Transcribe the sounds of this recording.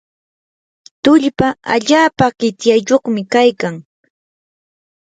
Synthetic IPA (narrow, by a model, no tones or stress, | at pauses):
t̪ʊʎpaa̰ʎaːpaɢɪt̪jajʎoχmɪkajkaŋ